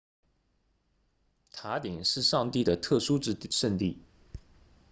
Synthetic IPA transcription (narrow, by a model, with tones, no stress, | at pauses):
t̪ʰa˧˥t̪i˨˩˦ŋʂɻ̩˥˧ʂɑ˥˧ŋt̪i˥˩d̪ə˩t̪ʰɤ˥˩ʂu˥ʈ͡ʂɻ̩˥˧ʂə˥˧nt̪i˥˩